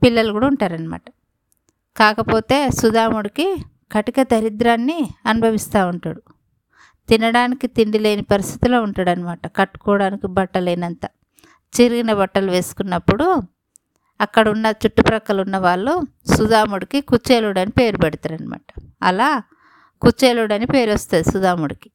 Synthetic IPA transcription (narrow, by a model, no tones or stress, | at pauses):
pilːɐlɐkuːɽauɳʈaːɾɐnima̰ːʈɐ̥ | kaːkɐpo̞ːt̪e̞ːsud̪aːmuɽiki | kɐʈikɐt̪ɐɾid̪ɾaːnːiɐnubʱɐʋist̪aːuɳʈaːɽu | t̪inɐɽaːnikit̪iɳɖileːnipɐɾist̪ʰi̥t̪ulo̞ːuɳʈaɽɐnimaːʈɐkɐʈːu̥kɔːɽaːnikibɐʈːɐlejnɐnt̪a | t͡ʃiɾiɡinɐbɐʈːɐluʋe̞ːsu̥kunːɐpːuɽu | ɐkːɐɽɐunːɐt͡ʃuʈːupɾɐkɐlunːɐʋaːɭːu | sud̪aːmuɽikikut͡ʃeːluːɽɐnipe̞ːɾupɛɽit̪aːɾɐnima̰ːʈɐ̥ɐ̰laː | kut͡ʃːeːluɽɐnipe̞ːɾost̪aːd̪isud̪aːmuɽiki̥